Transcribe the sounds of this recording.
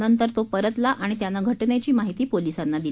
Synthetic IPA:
nənt̪əɾt̪opəɾət̪laʔaɽ̃it̪janːaɡʱəʈɳat͡ɕiːmaɦit̪iːpolisanːad̪il

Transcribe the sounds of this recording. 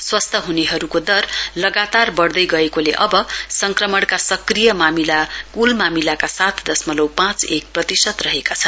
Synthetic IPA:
swʌst̪ʰʌɦuneɦʌɾukod̪ʌrlʌɡat̪arbʌrd̪ʌjɡʌekoleʔʌbʌsʌŋkrʌmʌɽkasʌkrijʌmamilakulmamilakasat̪ʰd̪ʌsmʌlʌwpãt͡sek̚prʌt̪isʌt̪rʌɦekat͡sʰʌn

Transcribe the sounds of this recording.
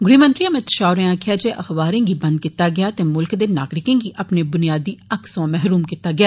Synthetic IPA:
ɡʊɽiːmə̃nt̪ɾiamẽt̪ə̥ʃaːʊɾẽaːkʰɪjaːd͡ʒeːʔəxbaːɾẽːɡiːbənd̪̚kit̪ːaːɡɪjaːt̪eːmʊlkd̪eːna̰ːɡɾɪkẽːɡiːʔəpneːbʊnijaːd̪iːəksãːmɛɦɾuːmkit̪aːɡɪjaː

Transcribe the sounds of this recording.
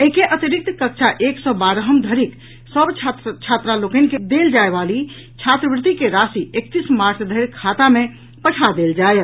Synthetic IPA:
əɦikeʔət̪iɾik̚t̪kək̚t͡ʃʰaʔeksɔbaɾəɦəmd̪ʱəɾik | səbt͡ʃʰat͡ʃʰat̪ɾalokənked̪eld͡ʒaebali | t͡ʃʰat̪ɾəbɾɪt̪ikeɾasiek̚t̪ismaɾʈʰd̪ʱəiɾkʰat̪ame | pəʈʰad̪eld͡ʒajt̪

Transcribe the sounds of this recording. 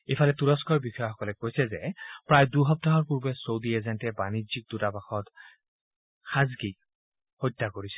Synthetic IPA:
ejfʰalɛtuɹɔskɔɹbixɔjɔxɔkɔlɛkojsɛzɛpɹajduɦɔp̚taɦɔɹpuɹbɛsowdiezɛntɛbanizik̚dutapaxɔt | xazɡi | hojtːakoɹisɛ̥

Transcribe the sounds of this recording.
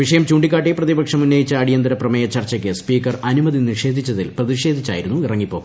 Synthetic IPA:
ʋiʂɐjɐmt͡ɕuːɳɖik̬ʲːaːʈːiprɐðibɐkʂɐmunːɐjit͡ɕːɐːɽijɐnd̪ɐɾɐprɐmɐjɐt͡ɕɐrt͡ɕːɐkʲːɨspiːkːɐrɐnumɐðiniʂe̞ːd̪ʱit͡ɕːɐðilprɐðiʂe̞ːd̪ʱit͡ɕːa̰ːjiɾunːuirɐŋːipːo̞ː

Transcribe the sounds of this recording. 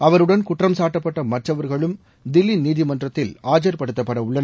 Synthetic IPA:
ɐʋɐɾɯɽɐnkʊʈrɐmsaːʈːɐpːɐʈːɐmɐʈrɐʋɐɾɣɐɭɯm | d̪ɪlːiniːðɪmɐndrɐt̪ːɪlaːd͡ʒɐɾpɐɽɯt̪ːɐpːɐɽɐʊɭːɐn

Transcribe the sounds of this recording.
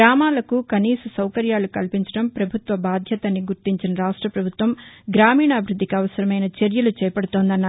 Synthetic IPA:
ɾaːmaːlɐkukɐniːsɐsɐwkɐɾjaːlukɐlpiɲt͡ʃɐ̥ɽɐmpɾɐbʱut̪ʋɐbaːd̪ʱjɐt̪ɐnːiɡuɾt̪iɲt͡ʃinɐɾaːʂʈɾɐpɾɐbʱut̪ʋɐmɡɾaːmiːɳaːbʱɾud̪ːikiɐʋɐsɐɾɐmɐjnɐt͡ʃeɾjɐlut͡ʃɛːɐpɐɽut̪oːnd̪ɐnːaː

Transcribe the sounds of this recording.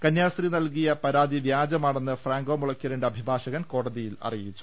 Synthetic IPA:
kɐnjaːsrinɐlkijɐpɐɾaːd̪iʋjaːd͡ʑɐmaːɳe̞nːɨfraːŋɡoːmuɭɐkːɐɾeɳɖeɐbʱibʱaːʂɐɣɐnko̞ːɽɐðijilɐ̰rijit͡ɕːu̥

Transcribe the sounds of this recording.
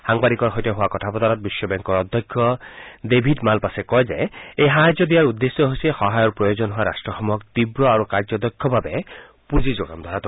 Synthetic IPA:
haŋbaɾikɔɾɦɔjt̪ɔɦoakɔtʰapɔd̪aɾɔt̪̚bisjɔbɛŋkɔɾɔd̪ʱjɔkʰjɔd̪ebʱidmalpasekɔjzḛejɦaɦad͡ʒɔd̪iaɹud̪ːesjɔɦosixɔɦajɔɾpɹɔjozɔnɦoaɾa̰sʈɹɔxɔmɔkt̪ibɾɔaɾukaɹd͡ʒɔd̪ɔkʰːjɔbʱabe | puzizoɡa̰md̪ʱaɾat̪ʰ

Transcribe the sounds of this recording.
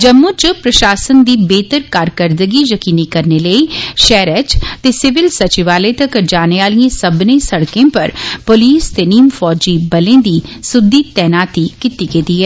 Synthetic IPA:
d͡ʒəmːʊ̃ːt͡ʃpɾəʃaːsənd̪iːbeːt̪əɾkaːɾkəɾd̪əɡijəkiːnikəɾneləiːʃɛːɾɛt͡ʃt̪eːsɪʋɪlsət͡ʃɪʋaːlet̪əkd͡ʒaːneaːlijẽsəbnẽːsəɽkẽːpəɾpoliːst̪eːniːmfɔːd͡ʒiːbəlẽːd̪iːsʊd̪ːiːt̪ɛːnaːt̪ikɪt̪ikeːt̪iːɦɛː

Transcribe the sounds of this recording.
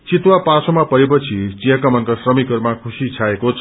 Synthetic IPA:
t͡sit̪wapasomapʌɾepʌt͡sʰit͡sijʌkamʌnkasrʌmikʌrmakʰusit͡sʰaekot͡sʰ

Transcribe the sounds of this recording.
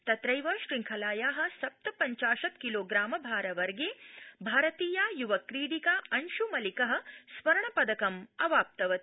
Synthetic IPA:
t̪ɐt̪ɾɐjʋɐʃɾiŋkʰɐlaːjaːɦɐ̆sɐp̚t̪ɐpɐɲt͡ʃaːʃɐt̪kiloːɡɾaːmɐbʱaːɾɐʋɐɾɡeːbʱaːɾɐt̪iːjaːjuʋɐkɾiːɽikaːɐnʃumɐlikɐɦɐ̆sʋɐɾɐɳɐpɐd̪ɐkɐmɐʋaːp̚t̪ɐʋɐt̪

